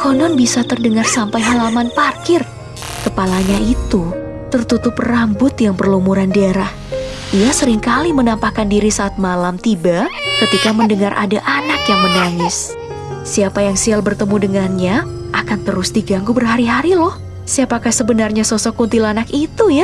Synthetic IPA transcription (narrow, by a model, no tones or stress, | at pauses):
kɔnɔnbisat̪ərdəŋarsampajɦalamanparkɪr | kəpalaɲait̪u | t̪ərt̪ut̪ʊprambʊt̪jaŋpərlumuɾandeɾah | ijasəɾɪŋkalimənampakandiɾisaːt̪̚malamt̪ibakət̪ikaməndəŋarʔa̰daʔanakjaŋmənaŋɪsː | iapajaŋsialbərt̪əmudəŋanɲa | ʔakant̪əɾʊsdiɡaŋɡubərɦaɾiɦaɾilɔh | siapakahsəbənarɲasosɔkunt̪ilanakit̪uja